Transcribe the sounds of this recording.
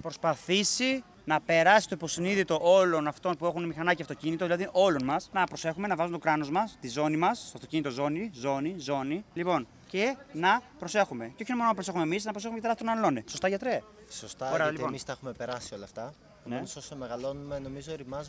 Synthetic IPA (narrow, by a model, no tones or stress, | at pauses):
pɾo̞spɐθisi | nɐpe̞ɾɐsist̪o̞ipo̞siniðit̪o̞ʔo̞lo̞nɐft̪o̞npue̞xunemixɐnɐceɐft̪o̞cinit̪o̞ðilɐðiʔo̞lo̞nmɐsnɐpɾo̞se̞xume̞nɐvɐzumet̪okɾɐno̞zmɐst̪izo̞nimɐst̪oɐft̪o̥cinit̪ozo̞nizo̞nizo̞nilipo̞n | cenɐpɾo̞se̞xumeceo̞çinemononɐpɾose̞xumemisnɐpɾseumect̪ɾɐst̪onɐlo̞neso̞st̪ɐʝɐt̪ɾe | sost̪ɐoɾeɐliponmist̪ɐexumepeɾɐsiolɐft̪ɐ | nesosemeɣɐlo̞numenomizoɾimɐz